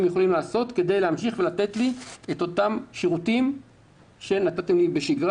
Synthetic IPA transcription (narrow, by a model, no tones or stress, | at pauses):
emjeχo̞limlaːso̞t̪ked̪e̞jleamʃiχvelat̪e̞t̪liet̪o̞tamʃiʁutim | ʃe̞nat̪at̪emlibeʃiɡʁ